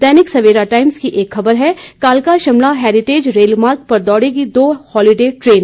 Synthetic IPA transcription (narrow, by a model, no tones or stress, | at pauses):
d̪ɛːnɪksɐʋeːɾaʈaːɪmskiʔeːkxɐbəɾɦɛkaːlkaʃɐmlaɦɛːɾɪʈeːd͡ʒɾeːlmaːɾk̚pɐɾd̪ɔːɽeɡid̪oːhɔːlɪɖeːʈɾeːn